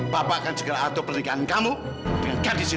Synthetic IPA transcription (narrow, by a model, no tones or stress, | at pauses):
b̥apakansəɡaɾaːt̪opərnikaankamu | d̥əŋanɡadisi